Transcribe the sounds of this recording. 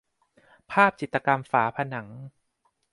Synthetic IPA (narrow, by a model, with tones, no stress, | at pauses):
pʰaː˥˩p̚t͡ɕʰi˨t̪ːt͡ɕa˧ka˧mfaː˩˦pʰa˧na˩˦ŋ